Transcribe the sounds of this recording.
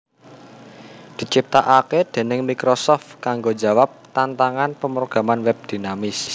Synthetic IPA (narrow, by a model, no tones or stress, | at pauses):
d̪̥i̤t͡ʃip̚t̪aʔaked̪̥e̤nɪŋmikɾosɔft̪kaŋɡo̥d͡ʒa̤wap̚t̪ant̪aŋanpəməɾoɡ̥a̤manwɛb̚d̪̥i̤namɪs